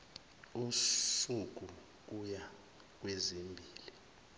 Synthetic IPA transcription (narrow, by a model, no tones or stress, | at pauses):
usuk̬ʼu | k̬uja | k̬wezimbʱiːli